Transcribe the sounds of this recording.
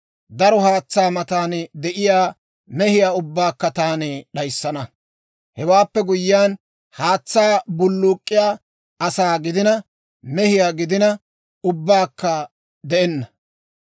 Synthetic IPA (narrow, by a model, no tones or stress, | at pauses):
d̪ɐɾɔhaːt͡sːaːmɐt̪aːnd̪ɛʔɪjaː | mɛhɪjaːʊbːaːkːɐt̪aːnɪɗɐjsːɐnɐ | hɛwaːpːɛɡʊjːɪjaːn | haːt͡sːaːbʊlːʊːkʼːɪjaː | ʔɐsaːɡɪd̪ɪnɐ | mɛhɪjaːɡɪd̪ɪnɐ | ʊbːaːkːɐ | d̪ɛʔɛnːɐ